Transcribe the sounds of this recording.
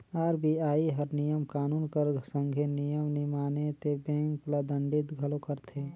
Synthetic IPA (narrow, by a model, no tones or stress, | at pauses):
aːɾbiaːiɦəɾnijəmkaːnuːnkəɾsə̃ŋɡʱenijəmnimaːnet̪ebẽːŋkplad̪ə̃ɳɖɪt̪ɡʱɐlokəɾt̪ʰeː